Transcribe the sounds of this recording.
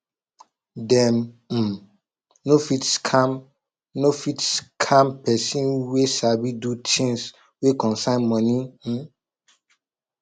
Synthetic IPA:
dɛ̃m̩ | nofitskʰam | nofitskʰãmpɛsĩnwesabidutʰĩŋs | wekɔ̃nsãɪnmɔ̃ni

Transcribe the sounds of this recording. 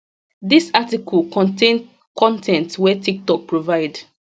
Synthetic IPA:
disatikʰɔlkɔ̃ntʰẽn | kʰɔ̃ntʰɛ̃ntwɛtʰik̚tɔk̚pɹovaɪd

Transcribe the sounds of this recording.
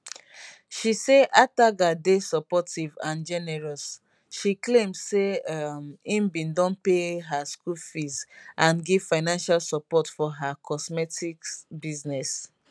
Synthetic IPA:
ʃiseʔataɡadesɔpɔtivãnd͡ʒɛnɛɹɔs | ʃiklẽmdsemĩmbĩndɔ̃npeɦaskulfizãnɡiv̥faɪnãnʃalsɔpɔtfɔɦakʰɔsmɛtikbiznɛs

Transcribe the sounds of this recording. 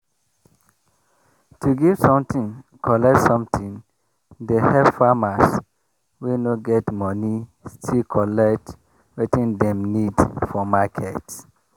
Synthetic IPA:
tʰuɡiv̥sɔ̃mtĩŋkʰɔlɛk̚tsɔ̃mtʰĩn | dehɛvfamas | wenoɡɛtmɔnistʰilkʰɔlɛkt | wetĩndɛ̃mnidfɔmakʰɛt

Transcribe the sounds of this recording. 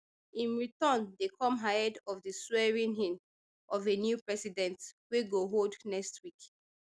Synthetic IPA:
ĩnɹitɔ̃ndekʰɔ̃mɦajədɔvðəswɛɹĩnɦĩn | ʔɔvenjupɹɛsidɛ̃ntweɡoɦodnɛkstʰwik

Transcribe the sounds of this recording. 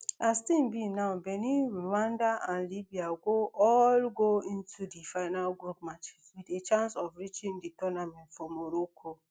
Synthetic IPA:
astimbinaʊbeniɾuwandaʔanlibiaɡoɔlɡoĩn̩tʰudifaɪnalɡupmat͡ʃiswidet͡ʃãnsɔvɾit͡ʃĩnditɔnamɛ̃tfɾɔmoɾokʰo

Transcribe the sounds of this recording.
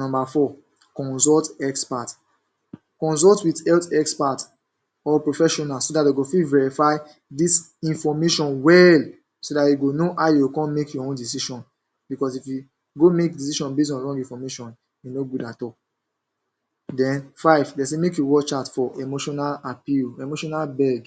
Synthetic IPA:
nɔ̃mbafɔ | kɔ̃nsɔltɛkspat | kɔ̃ns̬ɔltwitɛltɛkspat | ɔpɹofɛʃɔnasodateɡofilvɛɹifaɪ | dis | ĩnfɔmeʃɔ̃nwɛl | sodatjuɡonoʔajuwkɔ̃nmekjɔõndis̬iʃɔ̃n | bikɔsifju | ɡomek̚disiʃɔ̃nbes̬ɔ̃nɹɔ̃ŋɡĩfɔmeʃɔ̃n | junoɡudatɔl | dɛ̃nfaɪvdesemekjuwɔt͡ʃatfɔʔemoʃɔnalapilemoʃɔnalbɛɡ

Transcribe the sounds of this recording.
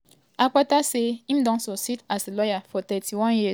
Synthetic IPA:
ak͡pataseim̩dɔ̃ŋsositasilɔjafɔtɛtʰiwɔ̃nji

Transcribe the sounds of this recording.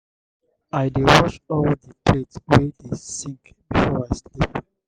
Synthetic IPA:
aɪdewɔʃɔldəpʰletwedesĩŋk | bifɔaɪslip

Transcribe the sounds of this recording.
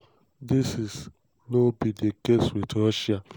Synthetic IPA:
disis | nobidekeswitɾɔʃia

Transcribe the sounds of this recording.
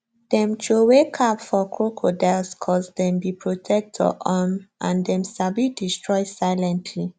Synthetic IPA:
d̥ɛ̃mt͡ʃowekʰapfɔkʰɹokʰodɛlskʰɔsdɛ̃mbipʰɹotʰɛk̚tʰɔ̰ʔamãndɛ̃msabidistɹɔɪsaɪlɛ̃ntʰli

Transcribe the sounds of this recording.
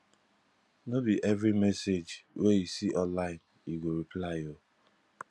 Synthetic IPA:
nobiʔɛvɹimɛsed͡ʒweisiʔɔ̃nlaɪ̃n | iɡoɾiplaɪo

